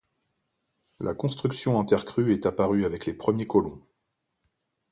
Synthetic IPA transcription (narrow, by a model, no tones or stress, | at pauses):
lʔa̰kɔ̃st̪χyksjɔ̃ɛ̃t̪ɛʁkχyɛt̪apaʁyavɛklepχəmjekɔlɔ̃